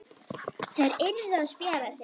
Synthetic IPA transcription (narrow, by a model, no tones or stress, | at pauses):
θejɾɪnːðaðspjɛːɾasɪ